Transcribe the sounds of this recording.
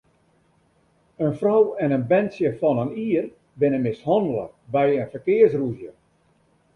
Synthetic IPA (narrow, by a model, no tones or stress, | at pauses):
ənfrɔwɛnənbɛntsjəfɔnəniər | bɪnəmɪshɔndəl̩ˠə̰bɛjənfərkɪərsruzjə